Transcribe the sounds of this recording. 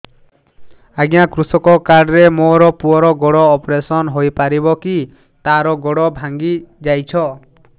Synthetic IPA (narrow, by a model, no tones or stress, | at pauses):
aɡjakɾusɔkɔkaɖɾemoɾɔpuɔɾɔɡɔɽɔːpɾesɔnɦojpaɾibɔki | t̪aɾɔɡɔɽɔbʱaŋɡid͡ʒajt͡ʃʰɔ